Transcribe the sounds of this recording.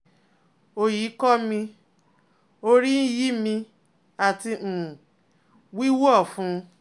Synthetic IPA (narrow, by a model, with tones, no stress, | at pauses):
o˧ji˨˦kɔ˦mĩ˧ | o˧ɾi˦n̩˦ji˦mĩ˧ | a˨tĩ˧˨ | wi˦wɔ˦˨fũ˨˦